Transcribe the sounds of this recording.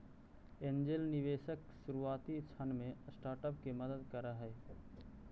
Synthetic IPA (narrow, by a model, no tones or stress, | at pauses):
end͡ʒelnɪʋeːʃəkʃuɾuaːt̪it͡ʃʰənmẽsʈaːɾʈəpkeməd̪əd̪kəɾaɦɛː